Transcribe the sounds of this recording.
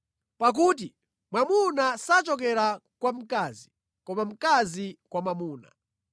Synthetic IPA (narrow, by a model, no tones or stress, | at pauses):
pak̬ut̬i | mwamunasat͡ʃɔk̬ɛɾakwam̩kaːzi | kɔmam̩kazikwamamuːna̰